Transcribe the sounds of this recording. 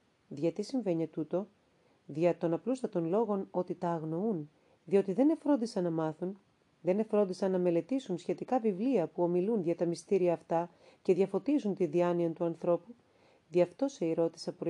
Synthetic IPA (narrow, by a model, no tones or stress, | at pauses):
ðʝɐt̪isiɱve̞ɲet̪ut̪o̞ | ðʝɐt̪o̞nɐplust̪ɐt̪o̞nlo̞ɣo̞no̞t̪it̪ɐːɣno̞un | ðio̞t̪iðe̞ne̞fɾo̞nd̪isɐnːɐmɐθun | ðe̞ne̞fɾo̞nd̪isɐnːɐme̞le̞t̪isunsçe̞t̪ikɐvivliɐpuo̞milunʝɐt̪ɐmist̪iɾiɐːft̪ɐ | ce̞ðʝɐfo̞t̪izunt̪iðiɐniɐnt̪uɐnθɾo̞pu | ðiɐft̪o̞se̞iɾo̞t̪i̥sɐpu